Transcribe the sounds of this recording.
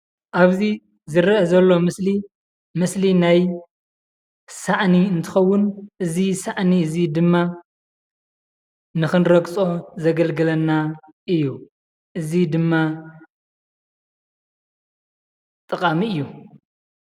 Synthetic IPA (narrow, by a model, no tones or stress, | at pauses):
ʔaβzi | zɨɾɐʔɐzɐlːo̞mɨsli | mɨslinaj | saʕniɨnt̪ʰɨ̥xɐwːʊnʔɨzisaʕniɨzid̪ɨmːa | nɨxɨnɾɐkʼt͡sʼo̞zɐɡɐlɡɨlɐnːa | ʔɨjːu | ʔɨzid̪ɨmːa | t̪ʼɨkʼamiɨjːu